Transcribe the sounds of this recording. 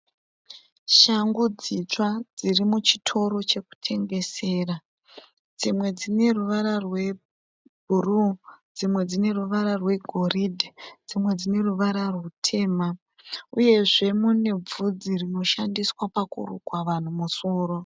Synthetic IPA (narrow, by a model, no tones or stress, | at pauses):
ʃaŋɡud͡zit͡ʂwad͡zirimut͡ʃi̥tʰo̞ɾo̞t͡ʃe̞ku̥tʰe̞ŋɡe̞se̞ːra | d͡zimwe̞d͡zine̞ruʋaɾarwe̞ | bʱurud͡zimwe̞d͡zine̞ruʋaɾarwe̞ɡʱo̞ridd͡zimwe̞d͡zine̞ruʋaɾarwutʰe̞ːma | uje̞ʐe̞mune̞b͡vud͡zirino̞ʃandiswapakṵrṵkwaʋan̤umuso̞ːro̞